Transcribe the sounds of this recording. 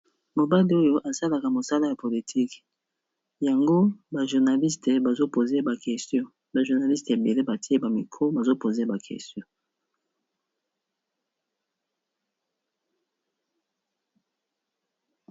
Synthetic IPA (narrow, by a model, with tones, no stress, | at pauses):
mo˨ba˦li˦o˦jo˦ʔa˨sa˦la˨ka˨mo˨sa˦la˦ja˨po˨li˨tʰi˦k | ja˨ŋɡo˦ba˨ʒu˨ʁna˨li˦ste˨ba˨zo˦po˨ze˦ba˨kɛ˨stjɔ̃˦ | ba˨ʒu˨ʁna˨li˦ste˨be˨le˦ba˨ti˦e˦ba˨mi˨kʰo˦ba˨zo˦po˨ze˦ba˨kʰɛ̰˨stjɔ̃˦